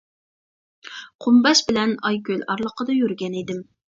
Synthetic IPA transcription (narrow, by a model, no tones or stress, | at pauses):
qʰʊmbɛʃbɪlɛnɑjkʲølɑɾlˠəqʰəd̪ɑjyɾɡʲɛnid̪ɪm